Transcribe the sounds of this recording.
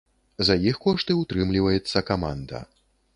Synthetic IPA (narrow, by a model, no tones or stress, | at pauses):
zɐjixkɔʂt̪ɨut̪ɾɨmlʲivɐjɛt̪sːɐkama̰nd̪ɐ̰